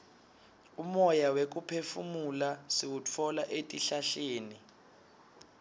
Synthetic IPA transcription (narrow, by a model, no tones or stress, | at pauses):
umɔjawek̬upʰefumulasiwut͡fʰɔlaʔetʼiɬaɬeːni